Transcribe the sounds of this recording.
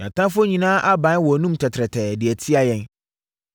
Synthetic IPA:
ɲã˨tʰã˦fʊ˦o˦ɲĩ˨nãː˦ʔa˦bã˨˦n˦wɔ˨nũ˦mtʰɛ˨tʰɾɛ˨tʰɛ˨dɪ˨æ˨tʰi˦a˦jɛ̃˦n

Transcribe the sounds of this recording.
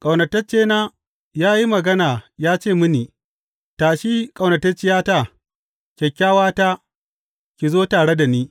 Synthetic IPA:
kʼɐ˨wnɐ˨tɐ˦t͡ʃeː˦naː˦ | jaː˦ji˦mɐ˨ɡɐ˦naː˨jaː˦t͡ʃeː˦˨mʊ˦niː˨ | taː˨ʃi˦kʼɐ˨wnɐ˨tɐ˦t͡ʃɪ˦jaː˦ta˦˨ | kʲɛ˨kʲːaː˦waː˦taː˦ | kʲi˨zoː˦taː˨ɽe˦da˨niː˦

